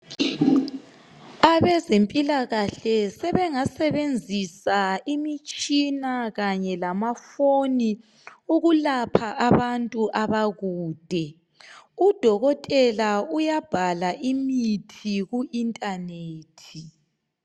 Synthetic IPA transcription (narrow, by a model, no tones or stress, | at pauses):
aβɛzempʼilaɣaɬɛsɛβɛŋasɛβend͡zʱisaimit͡ʃʼinaɣaɲɛlamafoni | uɣulapʰaʔaβantʼuʔaβaɣuːd̥ʱɛ | ud̥ʱɔɣɔtʼɛlaujab̥ʱalaʔimitʰiɣuʔintʼaneːtʰi